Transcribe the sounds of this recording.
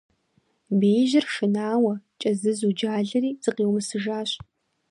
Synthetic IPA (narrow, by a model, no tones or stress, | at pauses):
beːʒɪrʂɨnaːwɐt͡ʃʼɐzɨzud͡ʒaːɮɐɾiːz̥ɨqeːwmɨsɨʒaːɕʼ